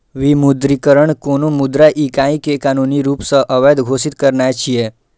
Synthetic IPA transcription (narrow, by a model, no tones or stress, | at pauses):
ʋimud̪ɾikəɾəɳkonomud̪ɾaʔikãĩkekanuniɾuːpsəʔəʋəjd̪ɡʱosit̪kəɾɳajt͡ɕʰije